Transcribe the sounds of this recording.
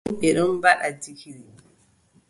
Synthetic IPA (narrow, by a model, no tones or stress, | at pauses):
ɓɛɗɔmbaɗadikiɾi